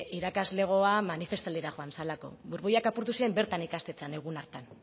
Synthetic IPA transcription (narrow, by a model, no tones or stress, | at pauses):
iɾakazle̞ɣ̞o̞amanife̞st̪aleɾaʝo̞ansalako̞̰βuɾβujakapuɾt̪usiɾe̞mbe̞ɾt̪anikast̪e̞t͡sane̞ɣ̞unaɾt̪an